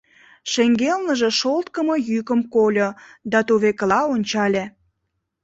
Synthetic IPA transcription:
ʃeŋɡelnəʒe̽ʃolt̪kəmojykəmkolʲod̪ɑt̪uβekəlɑonʲt͡ɕɑlʲe

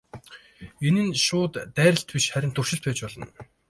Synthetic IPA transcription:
enɘ̆nʃʊːt̪ːæːɾʲə̆ɬt̪pʲiʃχæɾʲɪ̆nt̪ʰʊrʃɪ̆ɬt̪pæːt͡ɕpɔɮɞ̆n

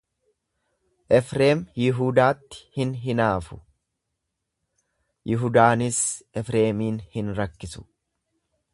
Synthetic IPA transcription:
ʔɛfɾe̞ːmjɪɦud̪aːt̪ːɪ̥hɪnɦɪnaːfʊ | jɪɦʊd̪aːnɪsɛfɾe̞ːmiːnhɪnɾɐkːɪsʊ̥

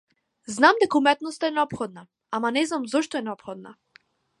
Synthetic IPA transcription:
znamd̪ɛkaumɛt̪nɔst̪aɛnɛɔpxɔd̪̚na | amanɛznamzɔʃt̪ɔɛnɛɔpxɔd̪̚na̰

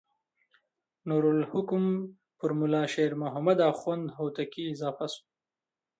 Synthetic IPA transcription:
nuɾʊlhʊkʊm | fʊɾmʊlɑːʃeɾmʊɦamad̪axwand̪ɦowt̪akiːzɑːfasu̥

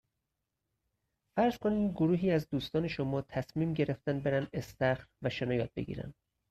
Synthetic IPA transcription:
fæɾz̥kʰoniːdɡoɾuːɦiːæzd̪uːst̪ɒːne̞ʃomɒːt̪ʰæsmiːmɟe̞ɾeft̪ænbe̞ɾænd̪est̪æxɾvæʃenɒːjɒːt̪̚be̞̰ɡḭːɾæ̰n

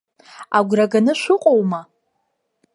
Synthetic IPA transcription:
aɡʷraɡanɨʃʷʊqʼowma

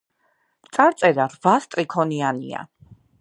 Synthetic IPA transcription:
t̪sʼaɾt̪sʼɛɾaɾvast̪ʼɾikʰɔnianḭa̰

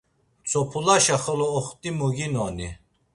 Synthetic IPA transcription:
t͡sʰʼɔpʰulaʃaχɔlɔːχt̪ʼimuɡinɔni

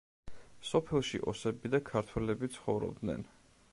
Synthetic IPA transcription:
sɔpʰɛlˠʃḭʔɔsɛbid̪akʰaɾt̪ʰwɛlɛbit̪sʰχɔvɾɔ̰bd̪nɛ̰n

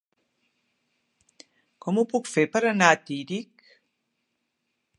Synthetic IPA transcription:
komupukfepaɾənaːt̪iɾik

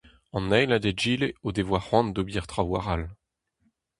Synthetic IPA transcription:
ɑ̃nɛjlad̪ed͡ʒiːleod̪evwaχwɑ̃nd̪obiɛʁt̪χawa̰ʁal

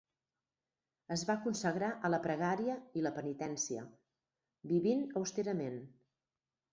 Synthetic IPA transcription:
əzβakunsəɣɾaʔələpɾəɣaɾiəiləpənit̪ɛnsiə̰ | biβinəwst̪eɾəmen

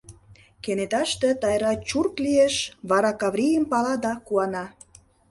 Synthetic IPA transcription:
kenet̪ɑʃt̪et̪ɑjɾɑt͡ɕurklieʃβɑɾɑkɑβɾijəmpɑlɑd̪ɑkuɑnɑ

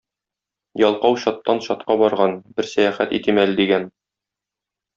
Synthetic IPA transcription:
jɒlˠqɑwɕɒt̪ːɑnɕɒt̪̚qɑbɒɾʁɑnbɘɾsæjæχæt̪ḭt̪imælɘd̪iɡæn

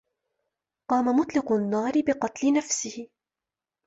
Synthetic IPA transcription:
qɑːmamʊt̪ˤlɪqʊnːaːɾɪbɪqɑt̪lɪnafsɪhɪ

